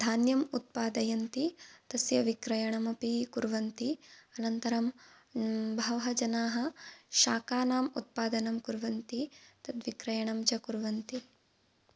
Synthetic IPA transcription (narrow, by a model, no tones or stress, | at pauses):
d̪ʱaːnjɐmut̪̚paːd̪ɐjɐnt̪it̪ɐsjɐʋikɾɐjɐɳɐmɐpikuɾʋɐnt̪iɐnɐnt̪ɐɾɐm | bʱɐʋɐɦɐd͡ʒɐnaːɦɐ̆ʃaːkaːnaːmṵt̪̚paːd̪ɐnɐmkuɾʋɐnt̪it̪ɐt̪ʋikɾɐjɐɳɐmt͡ʃɐkuɾʋɐnt̪i